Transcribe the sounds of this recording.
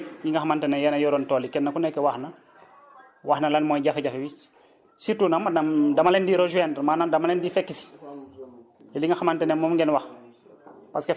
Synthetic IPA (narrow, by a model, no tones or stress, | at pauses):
jiŋɡaxamantenejɛnajoɾontoːlikɛnːakunekewaxna | waxnalanmoːjɟafeɟafewi | situnamːanamdamalendiɾoʒuendmaːnandamalendifekːisi̥ | joliŋɡaxamantenemomŋɡenwax | paske